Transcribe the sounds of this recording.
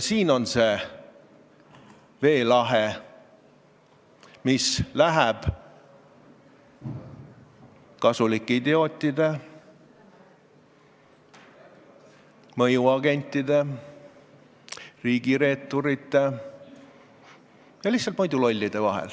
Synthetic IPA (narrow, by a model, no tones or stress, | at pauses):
siːno̞nse̞ː | ve̞ːlɑɦe | mislæɦɛb̥ | kɑsulikːeid̪eo̞ːt̪ʲˑːid̪e̞ | mɤjuɑɡ̥e̞nʲt̪ːˑid̪e̞ | riːɡ̥iɾe̞ːt̪ːˑoɾit̪ˑːe̞ | jɑlihtsːɑlt̪mɤjd̪ulo̞lʲːid̪̥e̞vɑɦɛ̰l